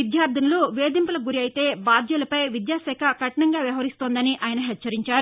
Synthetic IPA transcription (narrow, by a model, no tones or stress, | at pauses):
id̪jaːɾd̪ʱɐnɐluʋeːd̪impulɐɡuɾiɐjt̪e̞ːbaːd̪ʱjɐlɐpɐjʋid̪jaːsɛːkʰɐkɐʈɐɳɐŋɡaːʋjɐʋɐɦɐɾist̪oːnd̪ɐniʔaːjɐnɐɦɛtːt͡ʃːɐɾiɲt͡ʃaːɾu